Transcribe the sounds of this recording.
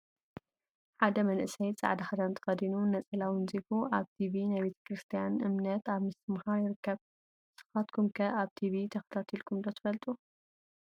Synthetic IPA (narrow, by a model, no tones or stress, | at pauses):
ħad̪ɐmɐnʔɨsɐjt͡sʼa̰ʕd̪ɐxad̪ant̪ʰɨ̥xɐd̪inunɐt͡sʼɐlawɨnzifuʔaβt̪ʰiβinajbe̞t̪ʰɐ̥kɾɨst̪ʰijanʔɨmnɐt̪aβmɨst̪ɨmhaɾjɪɾɨkʰːɐβ | sɨ̥xat̪kʰumkʰɐʔaβt̪ʰiβit̪ʰɐxɐ̥t̪ʰat̪ʰilkʰumd̪ot̪ʰɨ̥fɐlt̪ʼu